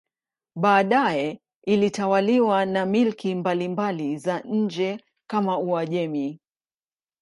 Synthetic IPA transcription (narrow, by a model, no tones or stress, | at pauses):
ɓaːɗajɛ | ilitawaliwanamilkimbalimbalizaɲ̩d͡ʒɛ | kamauaʄɛmi